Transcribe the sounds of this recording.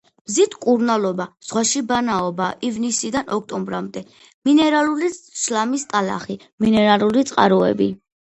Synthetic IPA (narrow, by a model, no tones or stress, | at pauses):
mzit̪ʰkʼuɾnalˠɔbaz̥ʁwaʃibanaɔbaʔivnisid̪anʔɔk̚t̪ʼɔmbɾamd̪ɛ | minɛɾaluliʃlamist̪ʼala̰χi | minɛɾalulit̪sʼqʼa̰ɾɔɛ̰bi